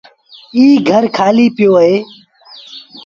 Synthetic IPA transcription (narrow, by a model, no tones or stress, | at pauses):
iːɡʱəɾkʰaːliːpɪjoːɦeː